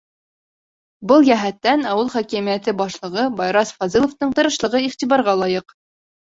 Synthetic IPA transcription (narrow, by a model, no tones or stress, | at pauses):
bɤlˠjæɦæt̪ːænɑwɤlˠχækimijæt̪ɘbɑʃlˠɤ̆ʁɤbɑjɾɑsfɑzilˠŏft̪ɤɴt̪ɤ̆ɾɤ̆ʃlˠɤ̆ʁɤiχt̪iβɑɾʁɑlˠɑjɤq